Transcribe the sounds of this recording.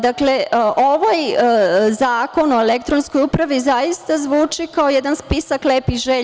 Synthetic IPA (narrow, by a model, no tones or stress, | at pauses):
d̪akle̞ʔoʋaj | zaːko̞no̞elekt̪ɾonsko̞jupɾaʋizajist̪azʋuːt͡ʂikao̞jɛd̪anspisakleːpiʒe